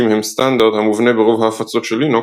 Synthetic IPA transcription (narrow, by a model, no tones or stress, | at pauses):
imhemst̪and̪aʁd̪hamuvne̞beʁovɦaːfat͡so̞t̪ʃelino